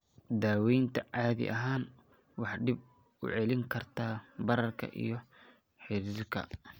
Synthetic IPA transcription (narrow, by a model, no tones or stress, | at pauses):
d̪aːwɛjnt̪ʰɐʕɑːðɪ̰ʔɐɦaːn | wɑħɖɪb̚ | ʊ̰ʕɛlɪŋkʰɐrt̪ʰaːbɐɾɐrkʰɐ̰ʔḭjɞ | ħɪɾkʰɐ̰